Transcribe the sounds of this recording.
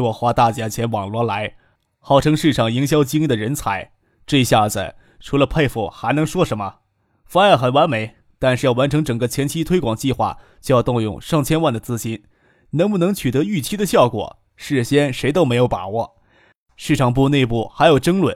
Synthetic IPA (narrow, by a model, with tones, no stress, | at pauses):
wɔ˨˩xwa˥t̪a˥˩t͡ɕja˧˥t͡ɕʰjɛ˧˥nwɑ˨˩ŋlwɔ˧˥la˧˥ɪ | xɑ˥˩ʊʈ͡ʂʰɤ˥ŋʂɻ̩˥˩ʈ͡ʂʰɑ˨˩ŋi˧˥ŋɕjɑ˥ʊt͡ɕi˥ŋli˥˩d̪ə˩ɻə˧˥nt͡sʰa˧˥ɪ | ʈ͡ʂɤ˥˧ɕja˥˩d͡zɹ̩̰˨˩ | ʈ͡ʂʰu˧˥lə˧pʰe˥˧ɪfṵ˩xa˧˥ɪnɤ˧˥ŋʂwɔ˥ʂə˧˥nmə˧ | fa˥a˧˩xə˨˩nwa˧˥nme˧˥ɪ | t̪a˥˧nʂ̩˥˧jɑ˥˩ʊwa˧˥nʈ͡ʂʰɤ˧˥ŋʈ͡ʂɤ˨˩ŋɡə˧t͡ɕʰjɛ˧˥nt͡ɕʰi˥t̪ʰwe˥ɪkwɑ˨˩ŋt͡ɕi˥˧xwa̰˥˩t͡ɕjo˥˧ʊjʊt̪ʊ˥˧ŋjʊ̰˥˧ŋʂɑ˥˩ŋt͡ɕʰjɛ˥nwa˥˩nd̪ə˩t͡sɹ̩˥ɕi˥n | nɤ˧˥ŋpu˥˩nɤ˧˥ŋt͡ɕʰy˨˩t̪ɤ˧˥y˥˩t͡ɕʰi˥d̪ə˧ɕjɑ˥˩ʊkwɔ̰˨˩˦ | ʂɻ̩˥˩ɕjɛ˥nʂe˧˥ɪt̪o˥ʊme˧˥ɪjo˧˥ʊpa̰˨˩wɔ˥˩ | ʂɻ̩˥˩ʈ͡ʂʰɑ˨˩ŋp̬u˥˧ne˥˧ɪp̬u˥˩xa˧˥ɪjo˨˩ʊʈ͡ʂɤ˥ŋlwə̰˨˩˦n